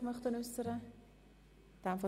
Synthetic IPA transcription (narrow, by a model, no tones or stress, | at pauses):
mœχt̪ənʏsːəɾə | d̪̥amfɔ